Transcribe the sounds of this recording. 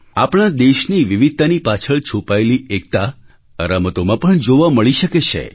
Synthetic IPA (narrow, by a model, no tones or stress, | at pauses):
apɳ̃ad̪eʃniʋiʋid̪̚t̪anipat͡ʃʰəɭt͡ʃʰupaeliʔek̚t̪a | əɾamət̪omãpəɳd͡ʒoʋaməɭiʃəket͡ʃʰḛ